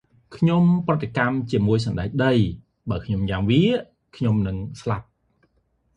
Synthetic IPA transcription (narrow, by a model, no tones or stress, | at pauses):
kʰɲomprɨt̪ːekamt͡ɕiəmuəjsɑmɗaɛk̚ɗəj | ɓaːəlkʰɲomjaːŋʋiəʔ | kʰɲomnɨŋslap̚